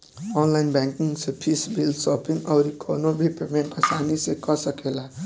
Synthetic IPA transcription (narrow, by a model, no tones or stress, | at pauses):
ɔnlajnbaŋkiŋsepʰisbilsɔpiŋɡʌɾikʰɔnobʱipemeɳʈʌsanisekʌsʌkela